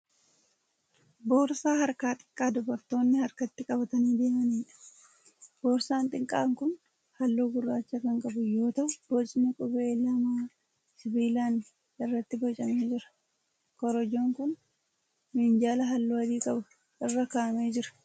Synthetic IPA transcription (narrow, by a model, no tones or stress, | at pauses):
bo̞ːɾsaːhɐɾkaːt̪ʼɪ̥kʼːaːd̪ʊbɐɾt̪o̞ːnːɪhɐɾkɐt̪ːɪkʼɐbɐt̪ɐniːd̪e̞ːmɐniːᶑɐ̥ | b̥oːɾsaːnt̪ʼɪŋkʼːa̰ːŋkʊn | hɐlːoːɡʊrːaːt͡ʃːɐkɐŋkʼɐbʊjo̞ːt̪ɐʔʊb̥ot͡ʃʼɪnɪkʼʊbeːlɐmaː | sɪbiːlaːn | ɪrːɐt̪ːɪbɔt͡ʃʼːɐme̞ːd͡ʒɪɾɐ̥ | kɔɾɔd͡ʒo̞ːŋkʊn | miːnd͡ʒaːlɐɦɐlːoːɐd̪iːkʼɐbʊ | ʔɪrːɐkaʔɐme̞ːd͡ʒɪɾɐ̥